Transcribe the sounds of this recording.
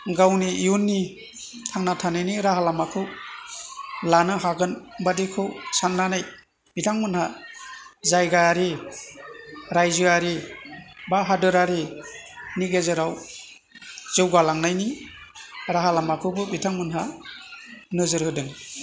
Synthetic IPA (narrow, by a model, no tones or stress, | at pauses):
ɡawniijunːi | tʰaŋnatʰanajniɾaɦalamakʰɯw | lanɯɦaɡɯnbadikʰɯwsanːanaj | bitʰaŋmɯnha | zajɡaɾi | ɾajzɯaɾi | baɦadɯɾaɾi | niɡezɯɾaw | z̥ɯwɡalaŋnajni | ɾaɦalamakʰɯwbɯbitʰaŋmɯnɦa | nɯzɯɾhɯdɯŋ